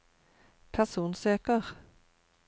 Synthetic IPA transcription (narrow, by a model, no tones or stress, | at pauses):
pʰæʁsuːnsøːkəʁ